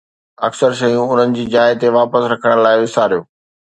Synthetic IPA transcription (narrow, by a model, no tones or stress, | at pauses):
ɐksəɾʃɐjũʊn̤ənɪ̆d͡ʑiːd͡ʑaːɪt̪eʋaːpəsɾɐkʰəɽ̃laːɪʋɪsaːɾijoː